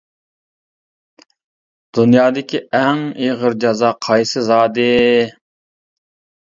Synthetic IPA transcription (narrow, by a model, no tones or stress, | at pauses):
d̪̥unjɑːd̪ɪkʲʰiɛŋeʁəɾd͡ʒɑzɑːqʰɑjsɨzɑːd̪ɨ